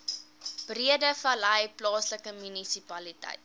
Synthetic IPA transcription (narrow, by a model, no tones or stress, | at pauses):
b̥riədəfɐlɐjplɑːsləkəmynisipɐlitɐ̰jt̚